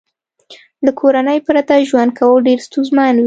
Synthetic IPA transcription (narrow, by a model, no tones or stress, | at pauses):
d̪əkʰoɾanəjpɾat̪aʒwand̪̚kʰawəlɖeɾst̪unzmɑnwi